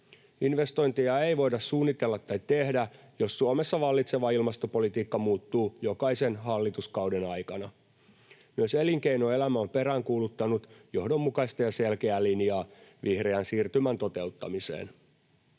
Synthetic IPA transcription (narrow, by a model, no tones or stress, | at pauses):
inʋe̞st̪o̞jnt̪ijɑeiʋo̞jdɑssuːnːit̪e̞lːɑt̪ːɑjt̪e̞hdæ | josːuomesːɑʋɑlːit̪se̞ʋɑilmɑst̪o̞po̞lit̪iːkːɑmuːt̪ːuːjo̞kɑise̞nɦɑlːit̪uskɑuwdenɑjkɑnɑ | myøseliŋkejnoe̞læmæompe̞ɾæːŋkuːlut̪ːɑnut̪jo̞hdo̞mːukɑist̪ɑjɑselkeælinjɑːʋihreænsiːrt̪ymænt̪o̞t̪e̞ut̪ːɑ̰misḛːn